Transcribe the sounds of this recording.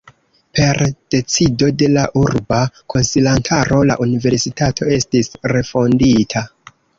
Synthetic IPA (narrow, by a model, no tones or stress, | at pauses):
pe̞ɾd̥e̞t͡sido̞de̞laʔuɾbakʰo̞nsilantʰaɾo̞la̰ʔunive̞ɾsitatʰo̞e̞stisɾe̞fo̞nditʰa